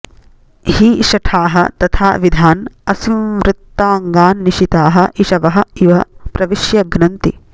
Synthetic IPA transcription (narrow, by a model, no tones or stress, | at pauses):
hiʃɐʈʰaːɦɐ̰t̪ɐt̪ʰa̰ːʋid̪ʱaːnɐsiʋɾɪt̪ːaːŋɡaːnːiʃit̪aːɦɐʔiʃɐʋɐɦɐ̆iʋɐpɾɐʋiʃjɐɡnɐnt̪ḭ